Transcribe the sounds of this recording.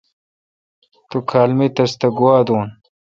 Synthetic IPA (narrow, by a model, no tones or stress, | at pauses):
t̪ukʰaːlmit̪ɐst̪ɐɡuwaːd̪uːn